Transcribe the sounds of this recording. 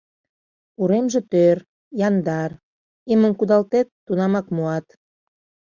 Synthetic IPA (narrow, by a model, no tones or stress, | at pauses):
uɾemʒĕt̪ør | jɑnd̪ɑr | emə̆nkud̪ɑlt̪et̪ːunɑmɑkmuɑt̪